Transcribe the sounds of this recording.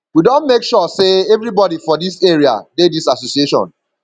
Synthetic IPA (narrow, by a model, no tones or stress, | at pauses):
widõnmekʃɔseɛvɹibɔdifɔdiseɹia̰dedisasosieʃɔ̰̃n